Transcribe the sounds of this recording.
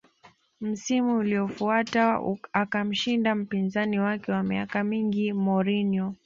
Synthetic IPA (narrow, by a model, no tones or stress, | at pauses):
m̩simuːliɔfuataakam̩ʃindam̩pinzaniwakɛwamiakamiŋɡimɔɾiniɔ